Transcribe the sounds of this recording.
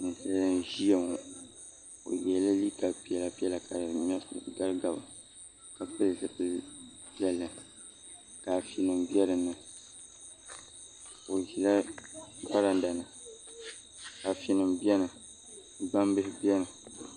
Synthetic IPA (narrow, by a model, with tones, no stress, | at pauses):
nɨ˨sa˦lʒi˦a˨ŋ˨ | o̰˨jɛ˨lɨ˦li˦ka˨pi˦ɛ˨la˨pi˦ɛ˦la˨kʰa˨mɛ˦sɡa˦lɡa˨ba˨ | ka˨pɨ˦lzɨ˨pɨ˦pi˦ɛ˦lːɨ˨ | ka˨fi˨nɨ˨mbi˦ɛ˦ɾɨ˨nɨ˨ | o˨ʒi˨la˦ɡ͡ba˦ɾa˨n˦da˨nɨ˨ | ka˨fi˨nɨ˨mbjɛ˦nɨ˨ | ɡ͡ba˦mbɨ˦hɪ˦bjɛ˦nɨ˨